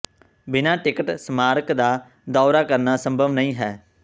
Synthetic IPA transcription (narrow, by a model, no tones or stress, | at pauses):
bɪnaːʈɪkəʈsmaːɾkd̪aː | d̪ɔːɾaːkəɾnaːsəmbʱəʋnəĩːɦɛː